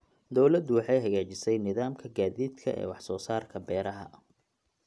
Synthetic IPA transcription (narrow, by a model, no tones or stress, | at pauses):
d̪ɔwlɐd̪ʊwɑħɑjɦɐɣaːt͡ʃɪsɛjnɪðaːmkʰɐɡaːðiːd̪kʰɐ̰ʔɛ̰ːwɑħsɔːsaːrkʰɐbɛːɾɐɦɐ̰